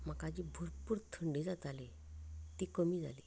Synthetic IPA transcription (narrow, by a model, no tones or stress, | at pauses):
məkad͡ʑibʱuɾpuːɾt̪ʰəɳɖid͡zat̪ale | t̪ikəmiːd͡zʱa̰liː